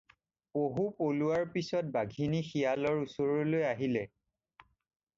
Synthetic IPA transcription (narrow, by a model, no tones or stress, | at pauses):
poɦupoluaɹpisɔt̚baɡʱinixijalɔɹusoɹɔlojaɦilɛ